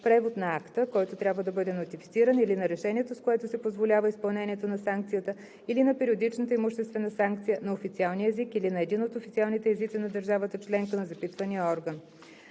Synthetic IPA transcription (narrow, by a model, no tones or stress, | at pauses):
pɾɛvot̪nɐakt̪əkɔjt̪ot̪ɾʲabvəd̪ɐbɤd̪ɛnot̪ifit̪siɾənilinɐɾɛʃɛniɛt̪oskoɛt̪ʊsɛpozvolʲavəispɐlˠnɛnʲiɛt̪onɐsaŋk̚t̪sijət̪ə | ilinɐpɛɾiod̪it͡ʃnət̪əimʊʃt̪ɛst̪vɛnəsaŋk̚t̪sijənɐofit̪sialˠniəɛzikilinɐɛd̪inot̪ofit̪sialˠnit̪ɛɛzit̪sinɐd̪əɾʒavət̪ət͡ʃlɛŋkənɐzɐpit̪vənijəɔɾɡən